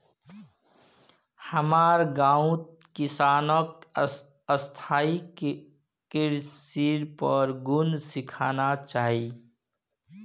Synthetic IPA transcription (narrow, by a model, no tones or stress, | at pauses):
həmaːɾɡãːũt̪̚ | kɪsaːnək | əst̪ʰaːik | kɪɾsiːɾpəɾɡʊnsɪkʰaːnat͡ʃaːɦi